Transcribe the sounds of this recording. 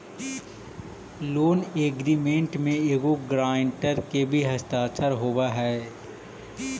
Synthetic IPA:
loːneːɡɾimẽɳʈmẽeːɡoɡɾaːɳʈəɾkebʱiɦɐst̪aːt͡ʃəɾɦoːwaɦɛː

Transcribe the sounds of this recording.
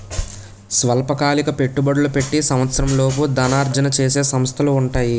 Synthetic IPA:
sʋɐlɐpɐkaːlikɐpe̞ʈːubɐɽulupe̞ʈːisɐmʋɐt̪sɐɾɐmlo̞ːp̬ud̪ɐnaːɾd͡ʒɐnɐt͡ʃe̞ːse̞ːsɐmst̪ʰɐluːɳʈaːji

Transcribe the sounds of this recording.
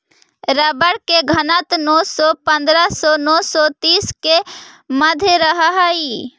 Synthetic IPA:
ɾəbəɽkeɡʱɐnət̪nɔːsɔpə̃nd̪ɾəsɔnɔːsɔt̪iːske | məd̪ʱjeɾəɦaɦai

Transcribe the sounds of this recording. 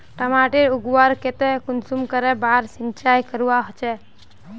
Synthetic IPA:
ʈəmaʈeɾuɡwaɾket̪ekunsumkəɾɛbaɾsint͡ʃajkəɾuwaɦot͡ʃɛ

